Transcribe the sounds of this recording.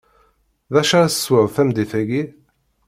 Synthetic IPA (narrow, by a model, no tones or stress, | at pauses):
ðæʃaɾsə̥swəðfæmd̪ifæɡi